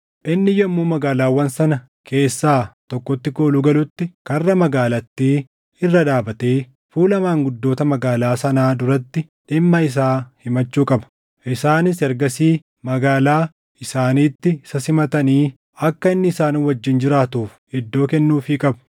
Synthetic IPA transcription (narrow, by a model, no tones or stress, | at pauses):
ʔɪnːɪjɛmːuːmɐɡaːlaːwːɐnsɐnɐ | kʰe̞ːsːaːt̪ɔkːɔt̪ːɪkoːlʊɡɐlʊt̪ːɪkɐrːɐmɐɡaːlɐt̪ːiː | ɪrːɐᶑaːbɐt̪eː | fuːlɐmaːŋɡʊd̪ːo̞ːt̪ɐmɐɡaːlaːsɐnaːd̪ʊɾɐt̪ːɪ | ᶑɪmːɐɪs̬aːhɪmɐt͡ʃːuːkʼɐbɐ̥ | ʔɪsaːnɪsɛɾɡɐsiː | mɐɡaːlaː | ɪsaːniːt̪ːɪsɐsɪmɐt̪ɐniː | ɐkːɐɪnːɪːsaːnɪwɐd͡ʒːɪnd͡ʒɪɾaːt̪uːf | ɪd̪ːo̞ːkɛnːuːfiːkʼɐbɐ̥